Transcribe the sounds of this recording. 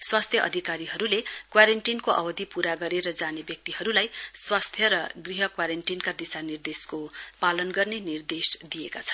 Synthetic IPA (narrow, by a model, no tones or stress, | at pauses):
swast̪ʰjʌʔʌ̰d̪ʱikaɾiɦʌɾulekwaɾeɳʈinkoʔʌbʌd̪ʱipuɾaɡʌɾeɾʌd͡zanebjʌk̚t̪iɦʌɾulajswast̪ʰjʌɾʌɡriɦʌkwaɾeɳʈinkad̪isanird̪eskopalʌnɡʌrnenird̪esd̪ijekat͡sʰʌ̥n